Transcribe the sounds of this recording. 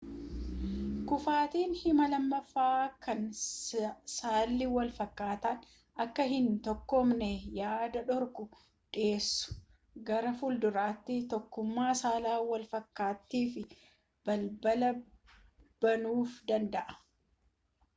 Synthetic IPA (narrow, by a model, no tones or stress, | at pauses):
kʊfaːt̪iːnhɪmɐlɐmːɐfaːkɐn | saːlːɪwɐlfɐkːaːt̪an | ɐkːɐɦɪnt̪ɔkːɔmnɛjaːd̪ɐᶑɔɾkʊ | ᶑɪeːsːʊ̥ | ɡɐɾɐfʊld̪ʊɾaːt̪ːɪt̪ɔkːʊmːaːsaːlaːwɐlfɐkːaːt̪ːiːfɪ | b̥ɐlbɐlɐ | b̥ɐnuːfd̪ɐnd̪ɐʔɐ̥